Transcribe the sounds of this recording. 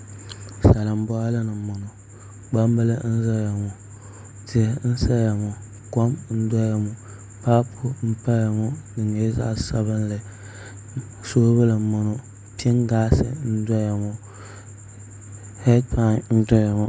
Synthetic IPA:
sa˨lɨ˨m˦bɔ˦a˦lɨ˦nɨ˨mo˨nʊ˨ | ɡ͡ba˦mba˦lɨ˦n̩˦za˦ja˨mʊ˨ | ti˨˦n̩˦sa˦ja˨mʊ˨ | kɔ˦mn̩˦da˦ja˨mʊ˨ | pa˦pʰʊ˦m̩˦pa˦ja˨mʊ˦nɨ˨ŋ˨jɛ˦za̰˦ʔsa˦βɨ˦n˦lɨ˨ | soː˦ba˦lɨ˨mo˨nʊ˨ | pi˦ɛ˦ŋɡaː˦sɨ̰˨n̩˦da˦ja˨mʊ˨ | hɛ˦dpa˦nn̩˦dɔ˦ja˨mʊ˨

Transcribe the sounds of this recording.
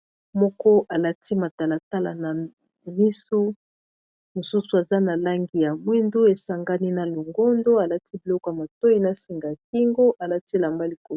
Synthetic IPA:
mɔ˦kɔ˦ʔa˨la˦ti˦ma˨ta˨la˨ta˦la̰˨na˨ | mi˦su˦ | mo˨su˦su˨a˨za˦na˨la˦ŋɡi˨ja˨mwɛ˦ndo˦e˨sa˨ŋɡa˦ni˦na˨lo˨ŋɡo˦ndo˦a˨la˦ti˦bi˨lɔ˦kɔ˨ja˨ma˨to˦i˦na˨si˨ŋɡa˨k̚i˦ŋɡo˦ʔa˨la˦ti˦˨la˨mba˦li˨ko˨˦

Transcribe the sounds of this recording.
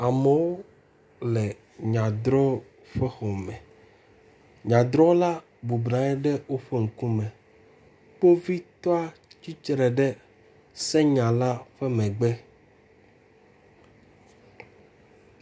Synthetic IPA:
a˨me˨wo˦ | lɛ˨ | ɲã˨d̪ɾɔ˦ | ɸɛ˦xɔ˨mɛ̃˨ | ɲã˨d̪ɾɔ˦la˦ | bu˨bnã˨˦ɛ˦ɖɛ˦wo˦ɸe˦ŋ̩˨kũ˦mɛ̃˨ | k͡po˦vi˦t̪ɔ˦a˦t͡ɕi˦t͡ʃɾɛ˨ɖɛ˦ | sɛ˦ɲã˨la˦ɸɛ˦mɛ̃˨ɡ͡bɛ˦

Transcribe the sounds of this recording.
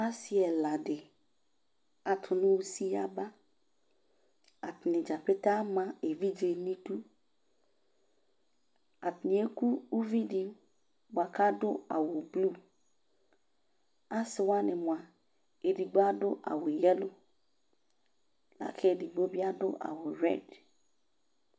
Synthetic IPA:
a˦si˦ɛ˨la˨ɖe˨ | a˨t̪ʰʊ˨nũ˦wu˦si˦a˨ba˦ | a˨t̪nɪ̃˨d͡ʒa˨pe˦t̪a˦mã˨e˨vi˦d͡ʒe˨nĩ˦tu˦ | a˨t̪nĩ˨e˦ku˦wu˦vi˦ɖi˨ | ba˨ka˦dʊ˦a̰˨wo˨blu˦˨ | a˦sɪ˨wa˦nɪ˨mʊ̃˨a˨ | e˨di˨ɡ͡bo˦a˦ɖʊ˦ʔa̰˨wo˨jɛ˦lo˦ | la̰˨kʰe˦e˨di˨ɡ͡bo˦bi˦a˦dʊ̰˦ʔa̰˨wo˨ɾɛ̰˦˨d

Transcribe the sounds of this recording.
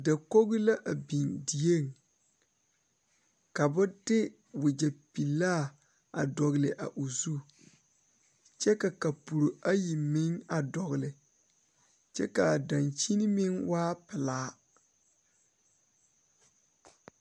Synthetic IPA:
da˨ko˦ɣɪ˦la˦ʔa˨bi˨ndi˨e˦˨ŋ | ka˨bʊ˦dɪ˦ | wʊ˨d͡ʒa˨pi˨laː˦˨ | a˨dɔ˨ɣlɪ˨ʔa̰˨ʔu˨zu˦˨ | t͡ʃɛ˦ka˨ka˨pu˨ɾo˨a˦ji˨mɪ˦ŋa˨dɔ˨ɣɪ˨lɪ˨ | t͡ʃɛ̰˦ka˨da˨nt͡ʃi˦nɪ˦mɪ˦ŋwaː˦pɪ˨laː˦

